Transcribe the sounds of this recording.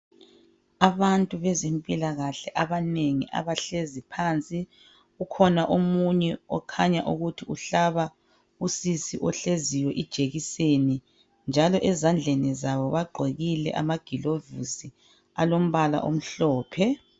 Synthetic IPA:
aβantʼuβɛzempʼilaɣaɬɛʔaβaneŋḭʔa̰βaɬezipʰaːnt͡sʼi | ukʰɔnaʔomuɲɛɔ̰kʰaɲaʔuɣutʰiuɬaβa | usisiʔɔɬeziwɛʔid̥ʒ̥ʱeɣiseni | nd͡ʒʱalɔʔɛzand͡ɮʱenizaβɔβaɡ͡ǃʱeɣilɛ̰ʔa̰maɡ̥ʱilovḭsi | alom̩βala̰ʔo̰m̩ɬɔːpʰɛ

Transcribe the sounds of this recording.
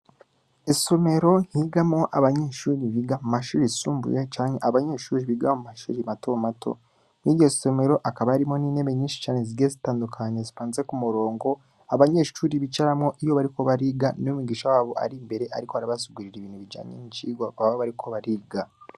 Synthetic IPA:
esome̞ɾo̞ŋ̥hiːɡamo̞ʔaβaɲe̞ʃuːɾiβiɡamumaʃṵɾisuːmbṵjet͡ʃaːɲeʔaβaɲe̞ʃuːɾiβiɡaumaʃṵːɾimatʰomatʰo̰ | niɡɟesome̞ɾo̞ʔakaβaaɾimo̞niːne̞βeɲiːnʃi̥t͡ʃaːne̞ziezitaːndukʰaɲezifaːnze̞kumuɾo̞ːŋɡo̞ | aβaɲe̞ʃuːɾiβit͡ʃaɾamŋo̞ʔijo̞βaɾiko̞βaɾiːɡanumuɡiːʃawaːβo̞ʔa̰ɾimbe̞ɾe̞ʔaɾikoaɾiβasuɡuɾiɾiβiːn̥huβid͡ʒa̰ːɲḛniciːɡwaaβoβaɾikʰo̞βaɾiːɡa

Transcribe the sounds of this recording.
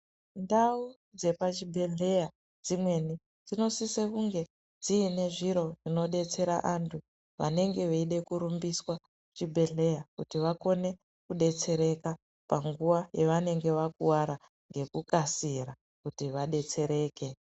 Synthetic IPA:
ndau | d͡ze̞pat͡ʃibʱe̞ɮe̞ja | d͡zimwe̞ni | d͡zino̞sisekuŋɡe̞ | d͡ziːne̞ʐiɾo̞ʐino̞ɗe̞t͡se̞ɾa̰ʔantʰu | ʋa̰ne̞ŋɡe̞ʋeiɗe̞kuɾumbiswa | t͡ʃibʱe̞ɮe̞jakutiʋako̞ne̞ | kuɗe̞t͡se̞ɾe̞ka | paŋɡuʋajeʋane̞ŋɡe̞ʋakuwaɾa | ŋɡe̞kukasiɾa | kutiʋaɗe̞t͡se̞ɾe̞ːke̞

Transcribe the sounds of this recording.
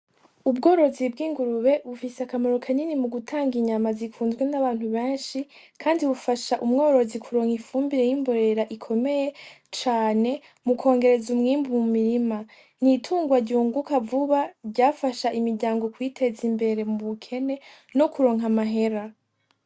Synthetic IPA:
ubɡo̞ːɾo̞zibɡiːŋɡuɾuβe̞βufiseakamaɾo̞kʰaninimuɡutʰaːŋɡiɲamazikuːnzɡwe̞naβaːn̥huβeːnʃi | kʰaːndiβufaʃaʔumŋo̞ːɾo̞zikʰuɾo̞ːŋ̥hifuːmbiɾe̞jimbo̞ɾe̞ɾaʔikʰo̞me̞je̞ | t͡ʃaːne̞ | mukʰo̞ːŋɡe̞ɾe̞zumŋiːmbumumiɾima | n̥itʰuːŋɡwaɾɟuːŋɡukavuβaɾɟaːfaʃaʔimiɾɟaːŋɡo̞kwiːtʰe̞zimbe̞ɾe̞muβukʰe̞ne̞ | no̞kuɾo̞ŋ̥ɦamaɦe̞ɾa

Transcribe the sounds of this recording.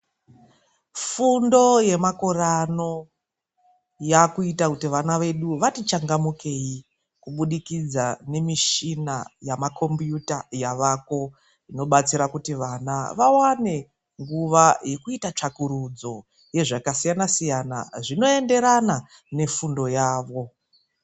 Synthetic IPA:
fundo̞je̞mako̞rano̞ | jakuitakutiʋanaʋe̞ɗuʋatit͡ʃaŋɡamuke̞i | kuɓuɗikid͡zane̞miʃinajamakʰo̞mbjutajaʋako̞ | ino̞ɓat͡siɾakutiʋanaʋawane̞ | ŋɡuʋaje̞kuitat͡ʂakuɾud͡zo̞ | je̞ʐakasijanasijana̰ʐino̞e̞nde̞ɾana | ne̞fundo̞jaːʋo̞

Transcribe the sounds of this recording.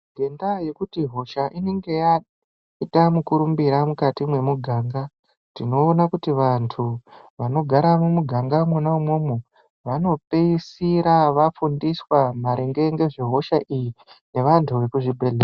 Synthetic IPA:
ɡʱe̞ndaje̞kutiɦo̞ʃaʔine̞ŋɡe̞ja | itamukuɾumbiɾamukatimwe̞muɡʱaːŋɡa | tino̞ːnakutiʋantʰuʋano̞ɡʱaɾamumuɡʱaŋɡamwanaumwo̞mu | ʋano̞peisiɾaʋafundiswamaɾʔeŋɡe̞ŋɡe̞ʐiɦo̞ʃaʔijine̞ʋantʰuʋe̞kuʐibʱe̞ɮera

